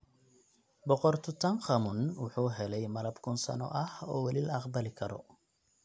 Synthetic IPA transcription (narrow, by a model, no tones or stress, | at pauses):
bɔqɔrt̪ʰʊt̪ʰɐnχɐmʊnwʊħuːɦɛlɛjmɐlɐbkʰʊnsɐ̰nɔ̰ʔɐhɔːwɛlilɐɑqbɐlɪkʰɐɾɔ̰